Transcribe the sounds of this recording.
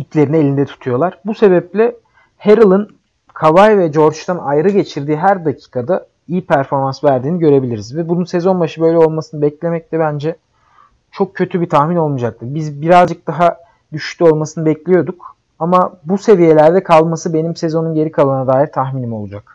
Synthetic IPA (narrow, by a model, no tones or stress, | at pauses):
it̪lʲe̞ɾinie̞lʲind̪ɛt̪ʰu̥t̪ʰujo̞lˠaɾ̥buse̞bɛp̚lʲɛ | heɾɯlˠɯn | kʰavajvɛd͡ʒo̞ɾt͡ʃt̪anajɾɯɟe̞t͡ʃʰiɾd̪iːɦæɾd̪acʰiːkʰad̪a | ijipʰæɾfo̞ɾmansvæɾd̪iːniɟø̞ɾe̞bilʲiɾizvɛbununsezo̞nbaʃɯbø̞jlʲɛolˠmasɯnɯbɛclʲe̞mɛc̚t̪ʰɛbænd͡ʒɛ | t͡ʃʰo̞k̚cʰːø̞t̪ʰybit̪ʰaxmino̞lˠmud͡ʒak̚t̪ʰɯbizbiɾazd͡ʒɯk̚d̪̥aɦa | d̪yʃt̪lʲyo̞lˠmasɯnɯbɛclʲijo̞d̪uk | amabuse̞vije̞lʲæɾd̪ɛkʰalˠmasɯbe̞nimsezo̞nunɟe̞ɾikʰalˠanad̪aːjiɾt̪ʰaxminimo̞lˠud͡ʒak